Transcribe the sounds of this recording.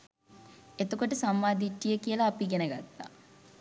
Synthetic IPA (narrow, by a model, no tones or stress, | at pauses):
et̪okoʈəsamːaːd̪iʈːijəkijəlɐːpiɡenəɡat̪ːa̰